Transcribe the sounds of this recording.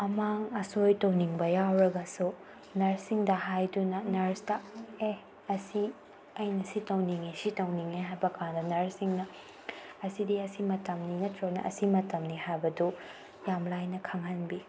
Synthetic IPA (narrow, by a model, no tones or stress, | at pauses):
ɐmaŋɐsojtɐwniŋbɐjawɾɐɡɐsu | nɐɾsiŋdɐɦajdunɐnɐɾstɐe | ɐsi | ɐjnɐsitɐwniŋesitɐwniŋeɦajbɐkʰandɐnɐɾsiŋnɐ | ɐsidiɐsimɐtɐmninɐtɾonɐ̰ʔɐ̰simɐtɐmnihajbɐdu | jamlajnɐkʰɐŋhɐnbi